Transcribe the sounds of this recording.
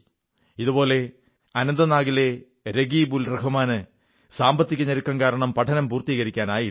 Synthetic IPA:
iðubo̞ːle̞ | ɐnɐnd̪ɐnaːɣile̞ | ɾeɡiːbulreɦumaːnɨ | saːmbɐt̪ːikʲːuɲːɐɾukːɐmkaːɾɐɳɐmpɐʈʰɐnɐmpuːrt̪iːɣɐɾikʲːaːnaːji

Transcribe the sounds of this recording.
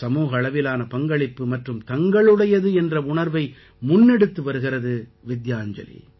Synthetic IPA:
sɐmuːɣɐːɭɐʋɪlaːnɐpɐŋɡɐɭɪpːɯmɐʈrɯmt̪ɐŋɡɐɭɯɽɐjɐðɯɛndrɐʊɳɐɾʋɐɪ | mʊnːɛɽɯt̪ːɯʋɐɾɯɣɪrɐðɯʋɪd̪jaːɲd͡ʒɐ̰lḭ

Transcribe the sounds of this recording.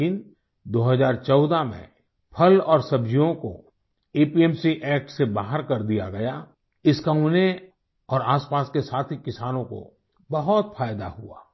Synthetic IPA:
ɪn | d̪oːɦəzaːɾt͡ʃɔːd̪amḛ̃ | pʰɐlɔːɾsɐbd͡ʒijõko̰ | eːpiɛːmsiʔɛːk̚ʈsebaːɦəɾkɐɾd̪ija̰ɡɐja | ɪskaune | ɔːɾaːspaːskesaːt̪ʰikɪsaːnõko̰ | bɐɦɔt̪fʰaːjd̪a̰ɦua̰ː

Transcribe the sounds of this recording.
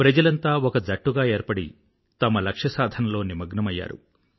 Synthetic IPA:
pɾɐd͡ʒɐlɐnt̪aːɔkɐd͡ʒɐʈːuɡaːe̞ːɾpɐɽi | t̪ɐmɐlɐkʂɐsaːd̪ʱɐnɐlo̞ːnimɐɡnɐmɐjːa̰ːɾṵ

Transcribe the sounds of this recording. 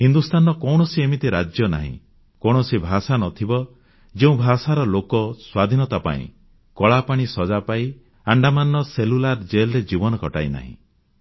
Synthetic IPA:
hind̪ust̪ʰanɔkɔwɽɔsiemit̪iɾad͡ʒjɔna̰ɦḭ̃ | kɔɽ̃ɔsibʱasanɔt̪ʰibɔ | d͡ʒeũbʱasaɾɔlokɔswad̪ʱinɔt̪apa̰ḭ̃ | kɔɭapaɽ̃isɔd͡ʒapai | aɳɖamanɔselulaɾd͡ʒelɔɾed͡ʒibɔnɔkɔʈa̰jna̰ɦḭ̃

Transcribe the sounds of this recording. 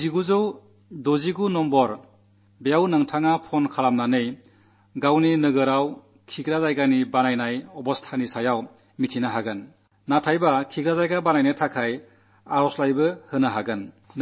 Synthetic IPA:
ziɡuzɯw | doziɡunɔmbɔɾ | bejawnɯŋtʰaŋapʰɔnkʰalamnanɯj | ɡawninɯɡɯɾaw | kʰiɡɾazajɡanibanajnajɔbɔstʰanisajaw | mitʰinaɦaɡɯnː | atʰajbakʰiɡɾazajɡabanajnɯjtʰakʰaj | aɾɔslajbɯhɯnaɦaɡɯn

